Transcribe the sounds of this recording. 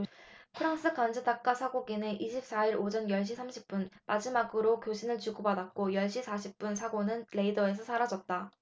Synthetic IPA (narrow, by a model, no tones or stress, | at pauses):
pʰɯɾaŋs͈ɯkand͡ʑʰɯdak̚k͈asʰaɡoɡineʔiɕʰip̚s͈aiɾod͡ʑʌnjʌɭɕ̬͈ʰisʰamɕʰip̚p͈unmad͡ʑimaɡɯɾokjoɕʰinɯɭt͡ɕuɡobadat̚k͈ojʌɭɕ͈isʰaɕʰip̚p͈unsʰaɡonɯnɾe̞idʌe̞s̬ʰʌsʰaɾad͡ʑʌt̚t͈a